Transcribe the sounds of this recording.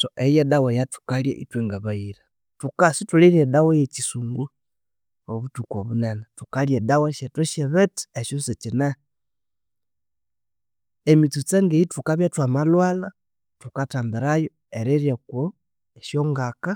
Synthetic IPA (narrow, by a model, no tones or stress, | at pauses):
toʔejedawejatu̥kaljḛʔḭtwiŋɡaβaiɾa | tukasituliɾedawejet͡ʃisuŋɡu | oβutukoβunenatukaljedaweʃetwoʃeβeti̥eʃoset͡ʃine | emit͡sut͡seŋɡeitukaβjatwamalwala | tukataːmbiɾajo | eɾeɾjeko | eʃjoŋɡaka